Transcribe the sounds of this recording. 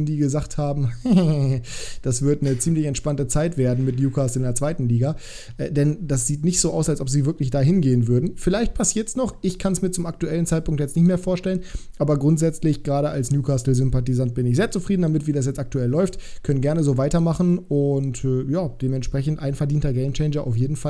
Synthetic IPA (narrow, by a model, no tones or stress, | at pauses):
ndiːɡəzaχthaːbm̩ | d̥asv̥ɪɐtnət͡siːmlɪçɛntʃpantət͡saɪtv̥eːɐdn̩mɪtnjuːkʰaːstl̩ɪndeːɐt͡sv̥aɪtn̩liːɡa | ʔɛ̰ːdɛnd̥asz̥iːtnɪçtz̥oːʔaʊsalsʔɔpz̥iːvɪɐklɪçd̥aːɦɪnɡeːənvʏɐdn̩fɪlaɪçt̚pʰasiːɐtsnɔχʔɪçkʰansmiːɐt͡sʊmak̚tuɛlən̩t͡saɪt̚pʰʊŋktjɛt͡stnɪçtmeːɐfoːɐʃtɛlənʔaːbɐɡʁʊntz̥ɛt͡slɪçɡ̥ʁaːɾəalsnjuːkʰaːsl̩zʏmpatizant̚b̥ɪnɪçzeːɐt͡sufʁ̥iːdn̩damɪtv̥iːdas̬jɛt͡stʔak̚tuɛlːɔʏftkʰœnənɡɛɐnəzoːvaɪtɐmaχn̩ʊntːjaːd̥eːmɛntʃpʁ̥ɛçn̩tʔaɪnfɛɐdiːntɐɡɛɪmt͡ʃɛɪnd͡ʒɐʔa̰ʊfjeːdn̩fa